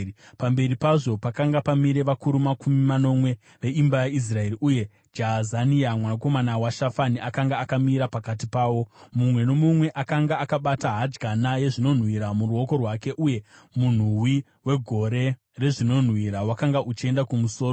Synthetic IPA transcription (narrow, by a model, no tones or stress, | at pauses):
pambe̞ɾipaʐo̞pakaŋɡapamiɾe̞ʋakuɾumakumimano̞mwe̞ | ʋe̞imbajais̬rae̞ɾiʔuje̞ | d͡ʒaɦazaniamwanako̞manawaʃafaniakaŋɡaːkamiɾapakatipaːwo̞mumwe̞no̞mumwe̞ʔakaŋɡaːkaɓataɦad͡ʒɡʱanaje̞ʐino̞n̤wiɾamuruo̞ko̞rwake̞ʔuje̞mun̤uwi | we̞ɡʱo̞ɾe̞ | re̞ʐino̞n̤wiɾawakaŋɡaʔut͡ʃie̞ndakumuso̞ːro